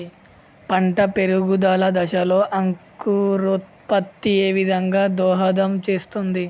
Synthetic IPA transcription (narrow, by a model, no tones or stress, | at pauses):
pɐɳʈɐpe̞ɾuɡud̪aːlɐd̪ɐʃɐlo̞ːʔɐŋkuɾut̪̚ | pɐt̪ːieːʋid̪ʱɐŋɡaːd̪ɔːɦɐd̪ɐmt͡ʃe̞ːst̪und̪i